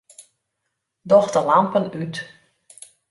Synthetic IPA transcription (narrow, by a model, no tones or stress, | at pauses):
dɔxtəlampənyt